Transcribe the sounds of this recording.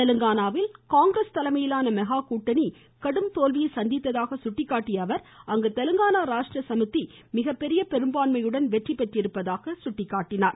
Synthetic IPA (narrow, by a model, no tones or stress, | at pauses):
ɛlɯŋɡaːnaːʋɪlkaːŋɡɾɐst̪ɐlɐmɐjɪlaːnɐmɛɣaːkuːʈːɐni | kɐɽɯmt̪oːlʋɪjɐɪsɐnd̪ɪt̪ːɐðaːɣɐsʊʈːɪkːaːʈːɪjɐʋɐɾɐŋɡɯt̪ɐlɯŋɡaːnaːɾaːʂʈrɐsɐmɯt̪ːi | mɪɣɐpːɛɾɪjɐpɛɾɯmbaːnmɐjɯɽɐnʋɛʈripːɐʈːɪɾɯpːɐðaːɣɐsʊʈːɪkːaːʈːɪnaːɾ